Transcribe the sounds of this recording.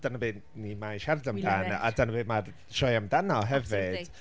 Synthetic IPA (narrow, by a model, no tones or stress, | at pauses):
d̥ənəbɨː | nimajʃɛvdamdana̰dənəbɨːmar | ʃɔjamdanɔɦɛvɨd̥